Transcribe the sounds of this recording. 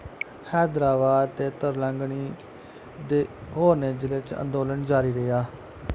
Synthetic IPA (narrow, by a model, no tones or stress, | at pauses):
hɛːd̪ɾaːbaːd̪t̪eːt̪əɾləŋɡɳiː | d̪eːɦoːɾneːd͡ʒɪlet͡ʃə̰̃nd̪oːlənd͡ʒaːɾiːɾəjaː